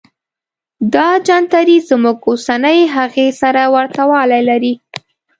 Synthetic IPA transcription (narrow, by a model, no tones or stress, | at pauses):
d̪ɑd͡ʒɑnt̪aɾizmuɡosanəjɦaɣesaɾawaɾt̪awɑlajlaɾi